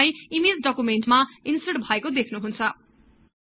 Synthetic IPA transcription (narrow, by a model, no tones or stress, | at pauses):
ajimil̚ɖʌkumenʈmainsʌɽbʱʌekod̪ekʰnuɦunt͡sʰʌ